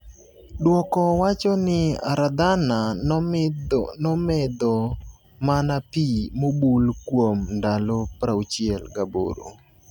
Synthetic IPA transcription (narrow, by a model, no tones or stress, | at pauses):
dwɔkɔwat͡ʃɔnɪa̰ɾad̪anadnɔmɛd̪ɔ | manapimobulkwomndalopɾaut͡ʃiɛlɡabo̰ɾo̰